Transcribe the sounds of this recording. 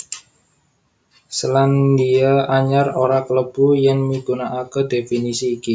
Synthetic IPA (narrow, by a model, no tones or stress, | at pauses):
səland̪iaaɲaroɾakləb̥ujaŋmiɡ̥unaʔakəd̪̥efinisiːki